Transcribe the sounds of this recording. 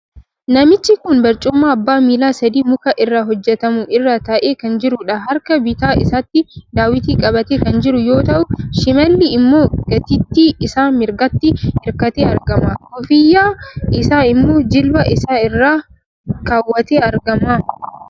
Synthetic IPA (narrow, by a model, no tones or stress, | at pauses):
nɐmɪt͡ʃːɪkʊnbɐɾt͡ʃʼʊmːaːɐbːaːmiːlaːsɐd̪iːmʊkɐʔɪrːaːɦɔd͡ʒːɛt̪ɐmʊʔɪrːaːt̪ɐʔe̞ːkɐnd͡ʒɪɾʊᶑɐɦɐɾkɐbɪt̪aːʔɪ̰saːt̪ːɪd̪aːwɪt̪iːkʼɐbɐt̪eːkɐnd͡ʒɪɾʊjo̞ːt̪ɐʔʊʃɪmɐlːɪːmːo̞ːɡ̥ɐt̪ɪt̪ːiːɪsaːmɪɾɡɐt̪ːɪɪɾkɐt̪eːɐɾɡɐmaːkɔfɪjːaːɪsaːɪmːoːd͡ʒɪlbɐʔɪsaːɪrːaː | kaːwːɐt̪eːɐɾɡɐmaː